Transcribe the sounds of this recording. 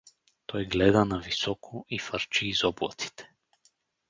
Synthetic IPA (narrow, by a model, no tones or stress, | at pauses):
t̪ɔjɡlɛd̪anavisɔkʰɔifaɾt͡ʃiːzɔblˠa̰t̪i̥t̪ʰɛ̥